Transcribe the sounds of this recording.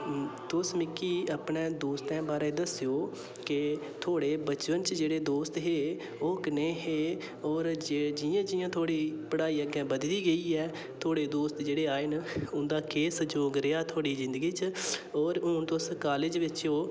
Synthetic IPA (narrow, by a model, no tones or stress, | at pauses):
t̪ʊsmɪkːiːəpɳẽːd̪oːst̪ɛ̃ːbaːɾẽːd̪əsɪjoː | kɪ | t̪ʰoːɽeːbət͡ʃʋənt͡ʃd͡ʒeːɽeːd̪oːst̪ɦeː | oːkɪneːɦeː | ɔːɾd͡ʒeːd͡ʒɪjãːd͡ʒɪːjãːt̪ʰoːɽiːpəɽaːiːəɡɛ̃ːbəd̪liːɡəiːɛː | t̪ʰoːɽeːd̪oːst̪d͡ʒeːɽeːaːenʊnd̪aːkeːsd͡ʒoːɡɾɪjaːt̪ʰoːɽiːzɪ̃nd̪ɡiːt͡ʃɔːɾoːnt̪ʊskaːled͡ʒʋɪt͡ʃoː